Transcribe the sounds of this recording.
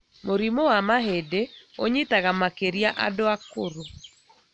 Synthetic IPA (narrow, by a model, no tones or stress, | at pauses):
moɾimowamaɦedeoɲitaɣamakeɾjaʔa̰doakoɾo